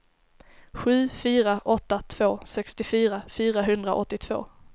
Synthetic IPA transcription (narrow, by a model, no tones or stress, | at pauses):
ɧʉ̟ːfyːɾaʔɔt̪ːat̪ʰv̥oːsɛkst̪ɪfyːɾafyːɾaɦɵnd̪ɾa̰ʔɔt̪ːɪt̪ʰv̥o̰ː